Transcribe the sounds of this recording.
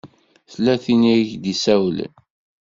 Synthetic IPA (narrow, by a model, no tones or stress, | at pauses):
θlːæθiniçd̪isæwlə̰n